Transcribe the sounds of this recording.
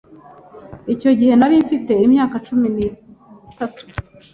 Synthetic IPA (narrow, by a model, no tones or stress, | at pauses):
ico̞ɟihe̞naɾiɱfite̞imɲaːkat͡ʃuminitatu̥